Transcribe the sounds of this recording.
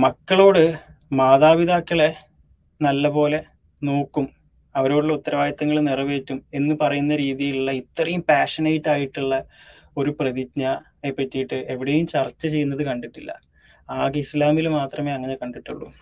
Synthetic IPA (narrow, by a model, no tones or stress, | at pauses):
mɐkːɐɭo̞ːɽɨ | maːðaːʋiðʱaːkːɐɭe̞ | nɐlːɐpo̞ːle̞ | noːkːum | ɐʋɐɾo̞ːɽuɭːɐut̪ːɐɾɐʋaːjɐt̪ːɐŋːɐɭnirɐʋe̞ːtːume̞nːɨpɐrɐjunːɐɾiːðijiluɭːɐit̪ːɐrɐjumpaːʂɐnɐjitːaːjiʈːuɭːɐ | o̞ɾuprɐðitɲa | epːetːijiʈːɨʔe̞ʋiɽejumt͡ɕɐrt͡ɕːɐt͡ɕe̞jːunːɐðɨkɐɳɖiʈːilːɐ̰ | aːɣislaːmilmaːt̪rɐme̞ːɐŋːɐnekɐɳɖiʈːuɭːṵ